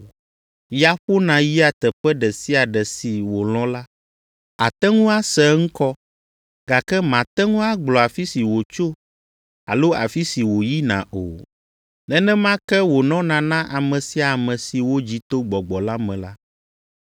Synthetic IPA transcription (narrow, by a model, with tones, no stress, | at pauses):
ja˦ɸo˦nã˨ji˦a˨t̪ɛ˨ɸɛ˦ɖɛ˨si˦a˨ɖɛ˨si˨wo˨l̃ɔ̃˦la˦ | a˨t̪ɛ˦ŋũ˦a˦sɛ˨˦ŋ̩̃˦kɔ˦ | ɡa˨kɛ˦mã˨t̪ɛ˦ŋũ˦a˦ɡ͡blɔ˨a˨fi˦si˨wo˨t͡ʃo˦ | a̰˨lo˦a̰˨fi˦si˨wo˨ji˦nã̰˨ʔo̰˨ | nɛ̃˦nɛ̃˦mã˦kɛ˦wo˨nɔ̃˦nã˨nã˦ʔa˨mɛ̃˨si˦a˨mɛ̃˨si˨wo˦d͡ʑi˦t̪o˦ɡ͡bɔ˨ɡ͡bɔ˨la˦mɛ̃˨la˦